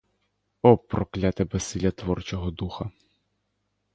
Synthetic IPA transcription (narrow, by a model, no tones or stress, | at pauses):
ɔpːɾɔklʲat̪ɛbɛsɪlʲɐt̪ʋɔrt͡ʃɔɦɔd̪uxɐ